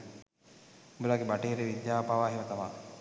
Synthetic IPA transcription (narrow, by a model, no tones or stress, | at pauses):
ubəlaɡebaʈeeɾeʋid̪jaːpaʋaːɦiʋət̪ama